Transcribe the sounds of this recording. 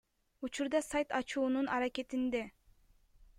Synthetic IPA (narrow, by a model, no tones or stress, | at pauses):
ut͡ʃuɾd̪ɑsajt̪ɑt͡ʃuːnunɑɾake̞t̪ind̪e